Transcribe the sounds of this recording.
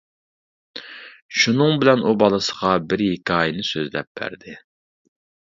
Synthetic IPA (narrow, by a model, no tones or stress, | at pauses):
ʃunɨŋbɪlɛnubɑlˠɨsə̥ʁɑbɪɾhikʲʰɑːjɪnɪsøzlɛ̰p̚b̥æ̰ɾd̪ɪ